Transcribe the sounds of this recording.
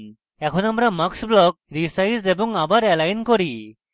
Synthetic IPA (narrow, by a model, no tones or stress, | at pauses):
ɛkʰɔnamɾaməksblɔk̚ɾisajsdebɔŋabaɾɛlajnkɔɾi